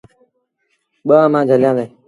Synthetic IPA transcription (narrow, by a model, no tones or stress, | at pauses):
ɓaːmãːd͡ʒəljãːneː